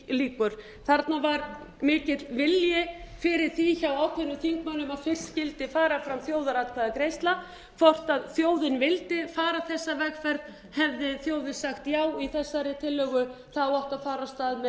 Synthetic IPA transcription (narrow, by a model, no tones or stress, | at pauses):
liːkʏɾ̥ | θaɾt̪navaɾ | mɪːcɪt̪lvɪljɪfɪɾɪɾ̥θiçawaːwk̪ʰvenʏθiŋkmalʏmaðfɪr̥scɪlt̪ɪfaːɾafɾamθjoːwðaɾat̪kʰvaːðakɾejst̪la | fɔr̥t̪aðθjoːwðɪnvɪlt̪ɪfaːɾaθɛsːavɛkfɛɾð | hɛvðɪθjoːwðɪnsaxt̪jaːwiθɛsːaɾɪt̪ʰɪlːœːɣʏ | θaɔhkafaːɾast̪aːðmɛ